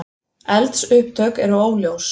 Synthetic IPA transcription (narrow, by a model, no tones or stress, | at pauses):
ɛlt̪sʏhp̚t̪ʰœːkɛɾʏoːwljows